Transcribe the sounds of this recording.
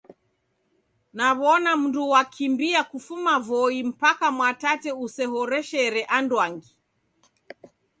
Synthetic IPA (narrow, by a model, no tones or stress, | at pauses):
naβɔnam̩nduwakʰimbiakufumavɔim̩pakamwatatɛusɛɦɔɾɛʃɛɾɛʔandwaŋɡi